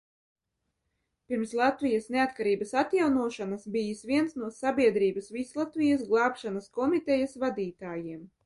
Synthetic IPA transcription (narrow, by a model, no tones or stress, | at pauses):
pʲiɾmslˠat̪vijasneat̪̚kaɾiːbɐsat̪jawnuɔʃanasbijisvʲiɛnsnuɔsabʲiɛd̪ɾiːbɐsvislˠat̪vijasɡlˠɑːpʃanaskɔmit̪ɛjasvad̪iːt̪aːjiɛm